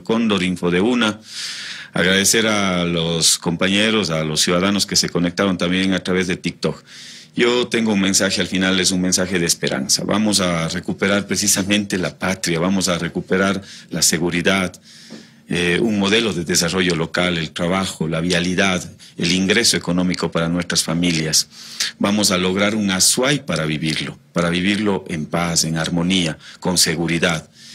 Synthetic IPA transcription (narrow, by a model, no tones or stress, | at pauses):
ko̞nd̪oɾiɱfoðeuna | a̰ɣɾaðe̞se̞ɾalosko̞mpaɲe̞ɾo̞salo̞sːjuðaðanoskese̞ko̞nek̚t̪aɾo̞nt̪ambje̞ŋat̪ɾaβe̞zðet̪ik̚t̪ok | jot̪e̞ŋɡouŋmẽ̞nsaxealfinales̬uŋme̞nsaxe̞ðeːspe̞ɾa̰nsa̰βa̰mos̬are̞kupe̞ɾaɾpɾes̬isamẽnt̪elapat̪ɾjaβamos̬are̞kupe̞ɾaɾlaseɣuɾiðað | euŋmo̞ðelo̞ðeðes̬aro̞ʝo̞lo̞kalelt̪ɾaβaxolaβjaliðað | eliŋɡɾesoekonõmikopaɾanwest̪ɾasfamiljasbamos̬alo̞ɣ̞ɾaɾuŋaswajpaɾaβiβiɾlopaɾaβiβiɾloʔempase̞ŋaɾmo̞niako̞nseɣuɾiðað